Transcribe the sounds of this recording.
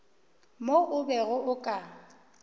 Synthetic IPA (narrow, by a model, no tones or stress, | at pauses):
moʔʊbɛɣʊʔʊkʼa